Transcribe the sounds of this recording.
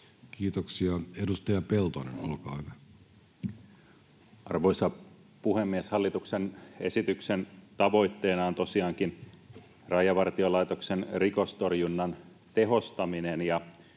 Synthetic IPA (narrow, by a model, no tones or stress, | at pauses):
kiːt̪oksiɑedust̪ɑjɑpelt̪onḛnolkɑ̰ːhyʋæ | ɑ̰rʋo̞jsɑ | puɦemːieshɑlːit̪uksene̞̰sit̪yksent̪ɑʋo̞jt̪ːe̞ːnɑont̪o̞siɑːŋkin | rɑjɑʋɑrt̪io̞lɑjt̪o̞ksenriko̞st̪o̞rjunːɑn | t̪e̞ɦo̞st̪ɑminenjɑ